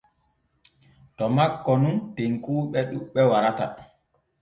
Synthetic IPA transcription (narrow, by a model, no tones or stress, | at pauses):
tɔmakːɔnunteŋkuːɓɛɗuɓɛwaɾata̰